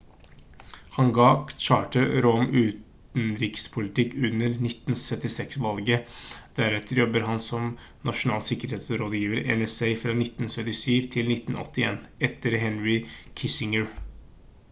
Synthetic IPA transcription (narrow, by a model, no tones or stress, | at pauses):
hɑnɡɑːkt͡ʃɑːʈəɾɔmʉːt̪ | nɾɪkspʰʊlɪt̪ɪkːʉnːəɾnɪt̪ːn̩sœt̪ːɪsɛksʋɑlɡəd̪̥æɾɛt̪əɾjɔbːəɾɦɑnsɔm | nʔɑʂʊnɑːlsɪkəɾheːt̪sɾoːd̪əjiːʋəɾɛ̰nɛsɛɪfɾɑːnɪt̪ːn̩sœt̪ɪsyːʋt̪ʰɪlnɪt̪ːn̩ʔɔ̰t̪ːɪeːnɛt̪ːəɾɦɛnɹɪkʰɪsɪŋəɹ